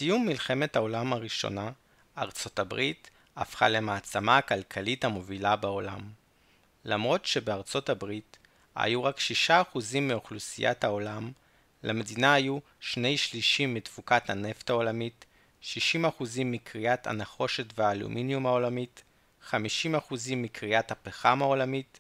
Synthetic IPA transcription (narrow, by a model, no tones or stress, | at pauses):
sijumːilχe̞me̞thao̞lamaʁiʃo̞̰na | a̰ʁt͡so̞tabʁit | a̰fχa̰lemaːt͡samaːkalkʰalithamo̞vilabeo̞lam | lamʁo̞tʃe̞beaʁt͡so̞tabʁit | ha̰juʁakʃiʃaːχuzimːioχlusḭjʔa̰tao̞lam | lʔeme̞dinaaju | ʃne̞jʃliʃimːitfukathane̞ftao̞lamit | ʃiʃimaχuzimːikʁiatʰa̰naχo̞ʃe̞tveaːlṵmʔinjumao̞lamit | χamiʃimaχuzimːikʁiathapeχamao̞lamit